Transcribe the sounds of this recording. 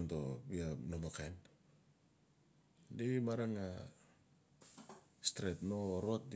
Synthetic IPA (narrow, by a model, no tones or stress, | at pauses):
ntobianomakajn | deβimaɾaŋa | stɾetnoːɾoat̚d